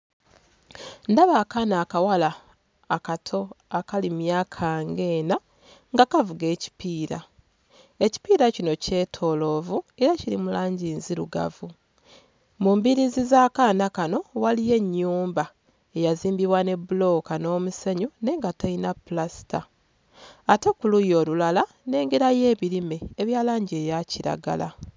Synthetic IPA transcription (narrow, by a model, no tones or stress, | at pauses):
ndaβaːkanaːkawalaː | katʰo̞akalimjaːkʰaːŋɡe̞ːna | ŋɡakavuɡe̞ːci̥piːɾa̰ | e̞ci̥piːɾacino̞ce̞ːtʰo̞lo̞ːvue̞ɾaciɾimulaːɲɟiːnziɾuɡa̰vu | mumbiɾizizaːkaːnakano̞walije̞ɲːuːmba | ejaziːmbiβwane̞bulo̞ːkano̞ːmuse̞ɲune̞ŋɡatainapulasi̥taː | te̞kulujo̞ːlulala | ne̞ːŋɡeɾaje̞ːβiɾime̞ːβjaːlaːɲɟeːjaciɾa̰ɡa̰la̰